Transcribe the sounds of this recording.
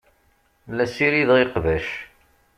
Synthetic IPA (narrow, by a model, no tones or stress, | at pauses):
læsiɾiðeqvæʃ